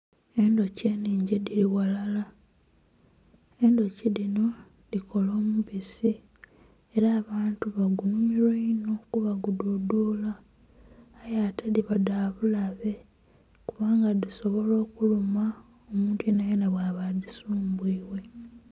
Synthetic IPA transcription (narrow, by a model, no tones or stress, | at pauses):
e̞ndo̞ce̞ːniːɲɟediliwalala | e̞ndo̞cilino̞ | dikʰo̞lo̞ːmuβisi | eɾaːβaːntuβaɡunumiɾweino̞kuβaɡududuːlaː | jatʰediβadaβulaβe̞ | kuβaːŋɡadiso̞βo̞lo̞ːkuluma | omuːntuenajenaβwaːβadisuːmbwiːwe̞